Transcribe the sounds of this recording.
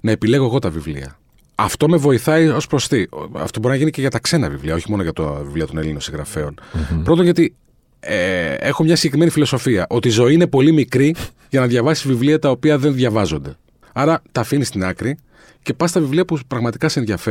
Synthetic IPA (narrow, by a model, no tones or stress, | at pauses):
nɐepile̞ɣoɣo̞t̪ɐvivlḭɐ̰ | ɐft̪o̞me̞vo̞iθɐio̞spɾo̞st̪iɐ̰ft̪o̞bo̞ɾinɐʝinice̞ʝɐt̪ɐkse̞nɐvivliɐoçimo̞noʝɐt̪ovivliɐt̪o̞nelinosiŋɣɾɐ̰fe̞o̞npɾt̪o̞nʝɐot̪i | ee̞xomɲɐsiɟekɾime̞nifilo̞so̞fiɐʔo̞t̪iːzo̞iine̞po̞limikɾi | ʝɐnɐðʝɐvɐsizvivliɐt̪ɐo̞piɐðe̞nðjʝɐvɐzo̞nd̪e̞ | ɐɾɐt̪ɐfinist̪inɐkɾi | ce̞pɐst̪ɐvivliɐpupɾɐɣmɐt̪i̥kɐseenðʝɐfe